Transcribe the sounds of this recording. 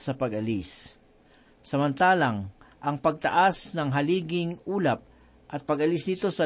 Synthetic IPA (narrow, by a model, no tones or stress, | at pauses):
sɐpɐɡɐlis | sɐmɐnt̪aːlaŋʔɐŋpɐɡ̚t̪ɐ̰ʔasnɐŋɦɐliːɡɪŋʔuːlap̚ | ʔɐt̪̚pɐɡɐlɪsnɪt̪o̞sɐ